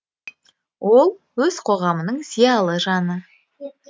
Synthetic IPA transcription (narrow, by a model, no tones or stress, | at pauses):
wʔo̞lˠ | wɵz̥qʰo̞ʁɑmənəɴz̥ijɑlˠəʒɑnə